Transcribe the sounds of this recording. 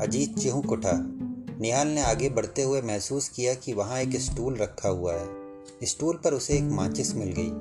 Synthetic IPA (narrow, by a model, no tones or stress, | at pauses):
ɐd͡ʒiːd̪̚t͡ʃɪɦũkʊʈʰaːnɪjaːlneaːɡebɐɽ̤t̪eɦʊemɛɦsuːskijakiʋɐɦãeːkɪsʈuːlɾɐkʰːaɦʊaɦɛː | ɪsʈuːlpɐɾʊseeːkmãːt͡ʃɪsmɪlɡɐḭː